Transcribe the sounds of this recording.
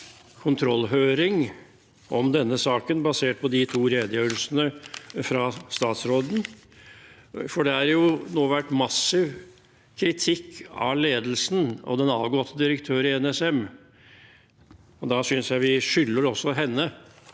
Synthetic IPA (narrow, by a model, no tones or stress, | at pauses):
kʰʊnt̪ʰɾɔlːɦœːɾɪŋ | ʔɔmd̪ɛnːəsɑːkənbɑseːʈ̚pʰɔd̪ɪt̪ʰuːɾeːd̪əjøːɾəlsənəfɾɑst̪ɑːt̪sɾoːd̪n̩ | fɔɖɛæɾjʊnoːʋæʈːmɑsːɪʋ | kʰɾɪt̪ʰɪkʰːɑ̰leːd̪l̩sn̩ɔ̰d̪ɛnɑːʋɡɔt̪ːəd̪ɪɾəkt̪ʰøːɾɪɛnɛsɛm | ɔd̪ɑsʏnsjæɪʋɪʂʏlːəɾɔsːɔɦɛnːə